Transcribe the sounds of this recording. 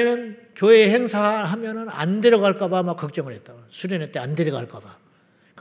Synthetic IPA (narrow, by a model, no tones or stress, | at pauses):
nɯnkjoeːheŋsʰaɦamjʌnɯna̰ndeɾjʌɣaɭk͈abamak͈ːʌk̚t͡ɕ͈ʌŋɯɭɦe̞t̚t͈asʰuɾenet͈eandeɾʌɡaɭk͈aba | k͈